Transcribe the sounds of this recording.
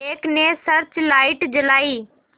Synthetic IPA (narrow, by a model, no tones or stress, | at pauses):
eːkneːsəɾt͡ʃlaːɪʈd͡ʒəlaːiː